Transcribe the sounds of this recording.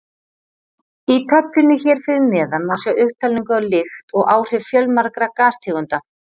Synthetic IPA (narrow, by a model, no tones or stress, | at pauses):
it̪ʰœplʏnʏçɛːɾ̥fɪɾɪɾnɛːðanmawsjawʔʏht̪ʰaliŋkʏalɪxt̪ɔɣaːwr̥ɪvfjœlmaɾkɾakaːst̪ʰɪːɣʏnt̪a